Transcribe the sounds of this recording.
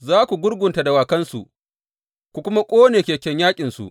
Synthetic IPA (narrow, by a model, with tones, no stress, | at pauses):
zaː˦kʷu˨ɡʷʊ˦ɽɡʷʊ˨nta˨da˨waː˨kɐ˦nsu˨ʔ | kʷu˨kʷʊ˦ma˦kʷʼoː˦neː˨kʲeː˨kʲɛ˦ɲjaː˦kʲʼɪ˨nsṵ˨ʔ